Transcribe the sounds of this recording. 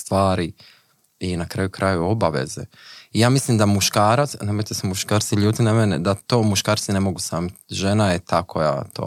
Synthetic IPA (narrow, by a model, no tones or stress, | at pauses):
st̪ʋaːɾi | inakɾajukɾajuo̞baʋe̞̰zḛijaːmisliːmd̪amuʃkaːɾat̪snemojt̪esemuʃkaːɾt̪siʎuːd̪inamenḛd̪at̪o̞ːmuʃkaːɾt̪sine̞mo̞ɡusaːmit̪ʒenajet̪ʰakʰoja̰t̪o̰ː